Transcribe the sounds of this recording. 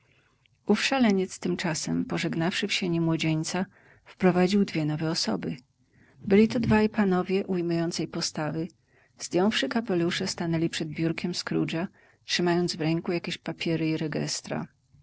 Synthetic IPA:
ufʂalɛɲɛt̪st̪ɘmt͡ʂasɛmpɔʐɛɡnafʂɘfɕeɲimwɔd͡ʑeɲt̪sa | fpɾɔvad͡ʑiwd̪vʲjɛnɔvɛɔsɔ̰bɘ | bɘlʲit̪ɔd̪vaipanɔvʲjɛʔujmujɔnt̪sɛjpɔst̪avɘ | zd̪ʲjɔ̃w̃fʂɘkapɛluʂɛst̪anɛlʲipʂɛd̪̚bʲjuɾkʲɛmskɾuʐa | tʂɘmajɔnd̪zvɾɛŋkujakʲeɕpapʲjɛɾɘiɾɛɡɛ̰st̪ɾa̰

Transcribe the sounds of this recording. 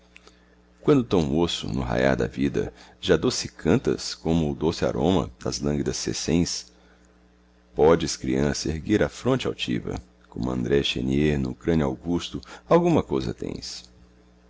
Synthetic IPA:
kwɐ̃nd̪ʊt̪ɐ̃w̃osʊ̰nʊɦa̰ja̰ɾd̪ɐvid̪ɐ̰ʒad̪osɪkʰɐ̃nt̪ɐ̰skõmʊːd̪osɪa̰ɾʔõmɐ̰d̪ɐzlɐ̃ŋɡid̪ɐsːḛsẽj̃s | pɔd͡ʒɪskɾiɐ̃sɐehɡiɾɐfɾõnt͡ʃɪawt͡ʃḭvɐ̰ | kõmʊɐ̰̃nd̪ɾɛʃḛnieɾnʊːkɾɐ̃nʊawɡust̪ʊawɡũmɐkojzɐ̰t̪ḛ̃j̃s

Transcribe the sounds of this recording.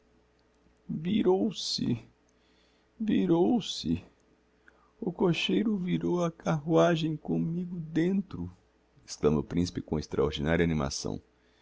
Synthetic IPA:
viɾowsɪ̰ | viɾowsɪ | ʊkoʃejɾʊviɾowɐkaɦuaʒẽj̃kõmiɡʊd̪ẽnt̪ɾʊ | e̥sklɐ̃moʊpɾĩsi̥pɪkõest̪ɾaoɾd͡ʒinaɾjɐanĩma̰sɐ̰̃w̃

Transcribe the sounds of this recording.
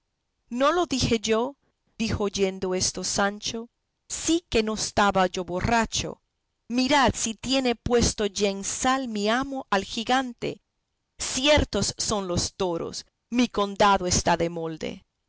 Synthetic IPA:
no̞lo̞ðixe̞ʝo̞ | d̪ixoʝe̞nd̪oe̞st̪osant͡ʃo̞ | sike̞no̞est̪aβaʝo̞βo̞rat͡ʃo̰ | miɾad̪sit̪je̞ne̞pwe̞st̪o̞ʝaeŋsalmiamoʔalxiɣant̪ḛ | sjeɾt̪osːo̞nlo̞st̪oɾo̰s | miko̞nd̪aðoest̪aðe̞mold̪ḛ

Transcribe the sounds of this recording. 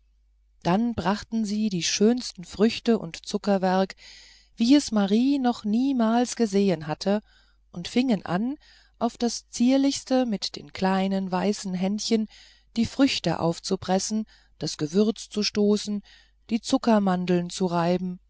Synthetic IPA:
d̥anbʁaχtn̩ziːdiːʃøːnstn̩fʁ̥ʏçtəʔʊ̰ntt͡sʊkɐvɛɐk | v̥iːɛsmaʁiːnɔχniːmaːlsɡ̥əzeːənɦatʰə | ʔʊntfɪŋənʔa̰n | ʔaʊfd̥ast͡siːɐlɪçstəmɪtd̥ḛːnkʰl̥aɪnənvaɪsn̩ɦɛntçən | d̥iːfʁ̥ʏçtə̰ʔa̰ʊft͡subʁ̥ɛsn̩ | d̥asɡ̥əvʏɐt͡st͡suʃtoːsn̩ | d̥iːt͡sʊkɐmandl̩nt͡suʁaɪbm̩

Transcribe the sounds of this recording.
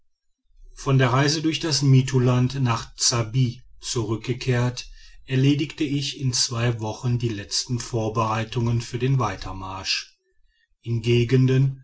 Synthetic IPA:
fɔndeːɐʁaɪzədʊɐçd̥asmiːtʰulantnaːχt͡sabiːt͡suʁʏk̚ɡ̥əkʰeːɐtʔɛɐleːdɪktəɪçɪnt͡sv̥aɪvɔχəndiːlɛt͡stn̩foːɐbəʁaɪtʊŋənfyːɐdeːnvaɪtʰɐmaɐʃ | ʔɪnɡeːɡəndən

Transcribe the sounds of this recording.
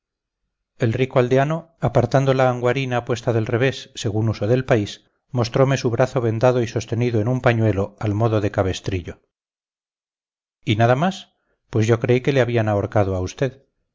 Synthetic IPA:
e̞lrikoald̪eano̞ | apaɾt̪and̪olaːŋɡwaɾinaːpwe̞st̪aðe̞lre̞β̞e̞sːe̞ɣunuso̞ðe̞lpais | mo̞st̪ɾo̞me̞suβɾaθo̞βe̞nd̪aðo̞iso̞st̪e̞niðoenumpaɲwe̞lo̞almo̞ðo̞ðe̞kaβe̞st̪ɾiʎo̞ | inaðamas | pwe̞zʝo̞kɾe̞ike̞leaβianaoɾkað̞oaust̪e̞ð

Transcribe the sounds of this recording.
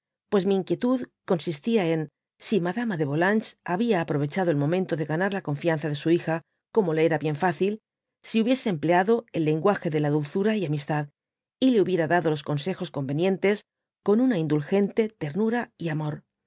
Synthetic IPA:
pwe̞szmiːŋkje̞t̪uðko̞nsist̪iae̞n | simaðamaðe̞βo̞lant͡ʃaβiaːpɾo̞βe̞t͡ʃaðo̞elmo̞mẽ̞nt̪o̞ðe̞ɣanaɾlako̞ɱfianθaðe̞suixa | ko̞mo̞leeɾaβje̞ɱfaθil | siuβje̞se̞ːmple̞aðo̞elːe̞ŋɡwaxe̞ðe̞laðulθuɾaiamist̪að | ile̞uβje̞ɾaðaðo̞lo̞sko̞nse̞xo̞sko̞mbe̞njẽ̞nt̪e̞s | ko̞nunaind̪ulxe̞nt̪e̞t̪e̞ɾnuɾaiamo̞ɾ

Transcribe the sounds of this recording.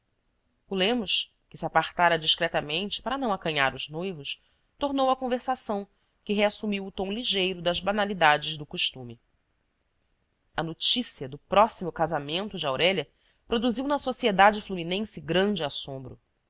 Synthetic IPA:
ulẽmʊʃ | kɪ̥siapaχt̪aɾɐd͡ʒiʃkɾɛt̪ɐmẽnt͡ʃɪ̥paɾɐnɐ̃w̃akɐ̃ɲaɾʊznojvʊʃ | t̪oɾnowɐkõveɾsasɐ̃w̃ | kɪɦeasumiwʊt̪õw̃liʒejɾʊd̪ɐzbanalid̪ad͡ʒɪzd̪ʊkuʃt̪ũmɪ | ɐnot͡ʃisiɐd̪ʊpɾɔsimʊkazamẽnt̪ʊd͡ʒɪawɾɛʎɐ | pɾod̪uziwnɐsosied̪ad͡ʒɪfluminẽsɪɡɾɐ̃nd͡ʒɪasõmbɾʊ̰

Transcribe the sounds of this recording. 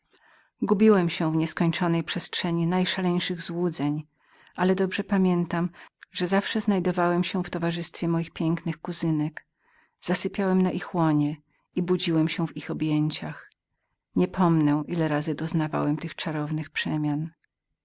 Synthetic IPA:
ɡubʲiwɛmɕɛvɲɛskɔɲt͡ʂɔnɛjpʂɛstʂɛɲinajʂalɛɲʂɘɣzwud̪zɛɲ | ʔalɛd̪ɔbʐɛpamʲjɛnt̪amʐ̥ɛzafʂɛznajd̪ɔvawɛmɕɛft̪ɔvaʐɘst̪fʲjɛmɔjixpʲjɛŋknɘxkuzɘnɛk | z̥asɘpʲjawɛmnaʔixwɔɲɛ | ibud͡ʑiwɛmɕɛvixɔbʲjeɲt͡ɕax | ɲɛpʰɔmnɛʔilɛɾazɘd̪ɔznava̰wɛmt̪ɘxt͡ʂaɾɔvnɘxpʂɛmʲjan

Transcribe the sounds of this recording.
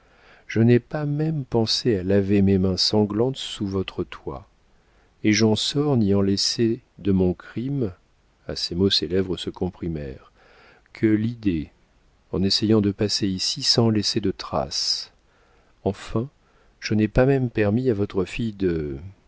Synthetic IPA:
ʒ̥ənɛpamɛmpɑ̃sealavememɛ̃sɑ̃ɡlɑ̃t̪suvɔt̪χət̪wa̰ | eʒɑ̃sɔʁniɑ̃lɛsed̪əmɔ̃kχim | a̰semoselɛvʁəsəkɔ̃pχimɛ̰ʁ | kʰəlid̪e | ɑ̃nesejɑ̃d̪əpaseisisɑ̃lɛsed̪ət̪χa̰s | ɑ̃fɛ̃ | ʒ̥ənɛpamɛmpɛʁmiavɔt̪χəfijd̪ə

